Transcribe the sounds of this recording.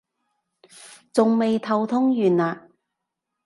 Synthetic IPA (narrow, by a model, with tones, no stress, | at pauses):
t͡sʊ˨ŋme˨jt̪ʰɐ˨˧wt̪ʰʊ˥ŋjyː˨naː˧